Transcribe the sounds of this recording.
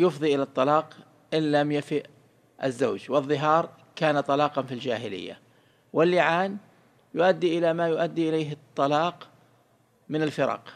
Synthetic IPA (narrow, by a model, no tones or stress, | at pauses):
jʊfðˤiʔɪlat̪ˤːɑlɑːq | ʔɪnlamjafɪʔ | ʔazːaːd͡ʒwɪðˤːɨɦɑːɾˤ | kaːnat̪ˤɑlɑːqɑnfild͡ʒaːɦɪlɪ̰jːa̰ | wɪlːɪʕaːn | jʊʔad̪ːiʔɪlamajʊʔad̪ːiʔɪlejɦɨt̪ˤːɑlɑːq | mɪnɪlfɪɾˤɑ̰q